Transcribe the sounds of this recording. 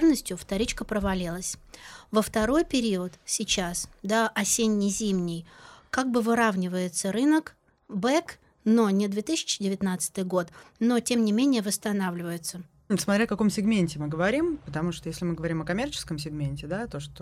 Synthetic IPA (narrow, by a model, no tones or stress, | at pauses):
rnəsʲtʲjʊft̪ɐɾʲit͡ɕkəpɾəvɐlʲilˠəsʲvəft̪ɐɾo̞jpʲɪɾʲiət̪sʲɪt͡ɕasd̪aɐsʲenʲːɪjzʲimnʲɪjkaɡ̚bɨvɨɾavnʲɪvəjɪt̪səɾɨnək | bɛk | no̞nʲɪd̪vʲet̪ɨsʲɪ̥t͡ɕːɪdʲɪvʲɪt̪nat̪sɨ̥t̪ɨjɡo̞t̪no̞tʲemnʲɪmʲenʲɪjəvəst̪ɐnavlʲɪvəjɪt̪sə | smɐt̪ɾʲɛfkɐkomsʲɪɡmʲenʲtʲɪmɨɡəvɐɾʲimpət̪ɐmuʂt̪ojesʲlʲɪmɨɡəvɐɾʲimɐkɐmʲert͡ɕɪskəmsʲɪɡmʲenʲtʲɪd̪at̪oʂt̪o